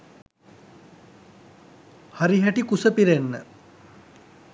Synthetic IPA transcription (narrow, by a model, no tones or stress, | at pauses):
haɾiɦæʈikusəpiɾenːə